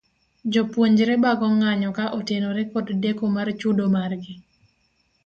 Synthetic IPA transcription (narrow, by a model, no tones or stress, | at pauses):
d͡ʒɔpwoɲd͡ʒɾɛbaɡɔŋaɲɔkaʔotenoɾɛkɔddekomart͡ʃudomarɡɪ